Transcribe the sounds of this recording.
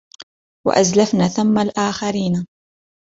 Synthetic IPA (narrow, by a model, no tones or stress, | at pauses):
wa̰ʔazlafnaːθamːalʔaːxaɾiːna